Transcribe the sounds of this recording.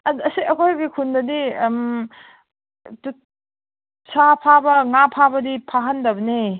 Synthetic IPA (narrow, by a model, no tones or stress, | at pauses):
ɐdɐsiɐkʰojɡikʰundɐdim | tu | sapʰabɐŋapʰabɐdipʰaɦɐndɐbɐne